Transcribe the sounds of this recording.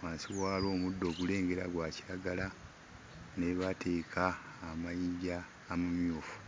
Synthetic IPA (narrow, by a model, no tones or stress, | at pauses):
waːnsiwaːlo̞ːmudːo̞ːɡule̞ːŋɡe̞ɾaɡwaːciɾaɡala | ne̞βatʰe̞ːkʰaː | majiɟaː | mumjoːfu̥